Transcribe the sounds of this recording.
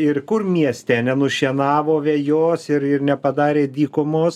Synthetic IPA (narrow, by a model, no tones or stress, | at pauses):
ɪrkʊrmʲiɛsʲt̪ʲɛːnʲɛnʊʃʲiɛnɑːʋoːʋʲejoːsɪɾɪrnʲɛpɐd̪ɑːɾʲeːd̪ʲiːkomoːs